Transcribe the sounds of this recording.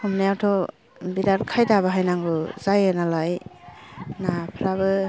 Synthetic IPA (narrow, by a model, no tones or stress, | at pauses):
ɔmnajawtʰɔ | bidaɾkʰajdaβaɦajnaŋɡɔzajɯnalaj | napʰɾaβɯ